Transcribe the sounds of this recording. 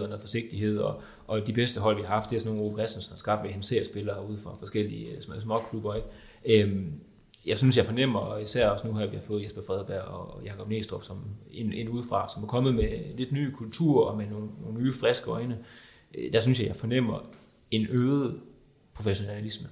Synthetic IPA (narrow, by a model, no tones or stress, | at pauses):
ɐnəfɒ̽se̝ɡ̥̚d̥iɦe̝ð̞̰ˠɒ̽ | ʔɒ̽d̥ib̥esd̥əɦɒ̽l̰ʋihɑ̈hɑ̈fd̥e̝æɐsɒno̝ːnʁobkʰʁɛsd̥n̩sɒ̽mæɐsɡ̥ɑ̈b̥d̥ʋehenseɐsb̥e̝lɐːuð̞̰̩ˠfʁɑ̈fɒ̽sɡ̥el̰ḭsmɒkʰlub̥ɐeɡ̥ | øm | jɑ̈ɪsynsjɑ̈ɪfɒ̽nem̰ɐɒisæɐ̰ɒ̽snuhɑ̈ʋihɑ̈fɔ̽ːð̩ˠesb̥ɐfʁɛðˠb̥æɐ̰ɒjɑ̈kʰɒ̽b̥ne̝̰ːsd̥ʁɔb̥sɒ̽mene̝nuð̞ˠfʁɑ̈sɒ̽mæɐkʰɒ̽mð̩ˠmele̝d̥ny̰ːkʰult͡sʰṵɐ̰ɒ̽meno̝ːnnoːnnyːfʁɛsɡ̥əɒɪnə | d̥æs̬ynsjɑ̈ɪjfɒ̽nem̰ɐ | e̝nøːð̩ˠ | pʰʁo̝feɕo̝næælismə